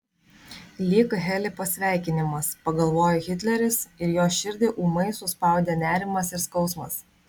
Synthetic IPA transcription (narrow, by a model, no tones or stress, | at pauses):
lʲiːkɦʲɛlʲɪpɐsʲʋʲæˑɪkʲɪnʲɪmɐspɐɡɐlˠʋoːjoːɣʲɪt̪ʲlʲɛɾʲɪsɪɾjoːʃʲɪɾʲd̪ʲeːʔuːmɐɪsʊspɑˑʊd̪ʲenʲæːɾʲɪmɐsɪɾskɒʊsmɐs